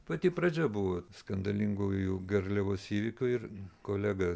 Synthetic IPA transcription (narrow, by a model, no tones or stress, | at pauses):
pɐt̪ʲiːpɾɐd͡ʒʲɛbʊʋoːskɐnd̪ɐlʲɪŋɡujjuɡɐrʲlʲɛʋoːsiːʋʲɪkʲʊɪɾkoːlʲæɡɐ